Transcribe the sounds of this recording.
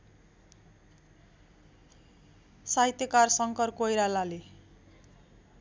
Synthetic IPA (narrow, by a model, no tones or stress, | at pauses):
saɦit̪jʌkarsʌŋkʌrkojɾalale